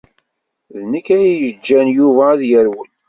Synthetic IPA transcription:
ðnəkːæjiəd͡ʒːænjuvæːðjəɾwən

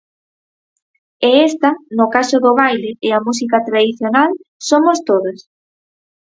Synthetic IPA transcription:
eɛst̪ɐnʊkasʊðʊβajleɪɐmus̬ikɐt̪ɾaðiθjonalsomost̪oðos

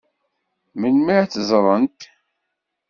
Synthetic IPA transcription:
mənmiʕθzˤɾˤənt̪

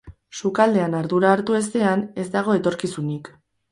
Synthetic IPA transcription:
sukald̪e̞anaɾðuɾaːɾt̪ue̞s̬t̪e̞ane̞zd̪aɣ̞o̞e̞t̪o̞ɾkisunik

